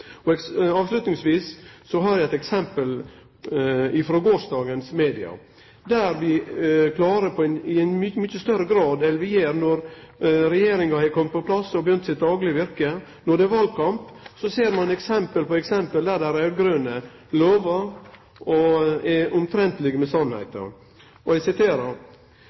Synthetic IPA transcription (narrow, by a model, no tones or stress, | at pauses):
ɔɑːʋslʉt̪nɪŋsʋiːsːɔɦɑɾjæɛt̪ɛksɛmpəl | ɪfɾoːɡoːʂd̪ɑːɡənsmeːd̪ɪɑ̰ | d̪æɾʋɪkʰlɑːɾəpʰɔɛnɪɛnmʏmʏçəst̪œɾəɡɾɑːd̪ɛlʋɪjeːɾnɔɾɾɛjeːɾɪŋɑhɛɪkʰɔmt̪pɔpʰlɑsːɔbəjœnt̪sɪt̪̚d̪ɑːɡlɪʋɪɾkənɔɖɛɛʋɑːlkʰɑmpsɔseːɾmɑnɛksɛmpəlpɔɛksɛmpəld̪æɖ̪æɾæɾɡɾøːnə | loːʋɑɾ | ɔɛʔʊmt̪ʰɾɛnt̪lɪɡəmɛsɑnhæ̰ɪt̪ə̰ | ʔɔæsɪt̪ʰeːɾɑɾ